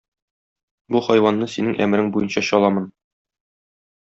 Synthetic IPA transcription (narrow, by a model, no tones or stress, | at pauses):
buχɒjwɑnːɤsinɘŋʔæmɘ̆ɾɘŋbujɤnɕɑɕɒlˠɑmɤn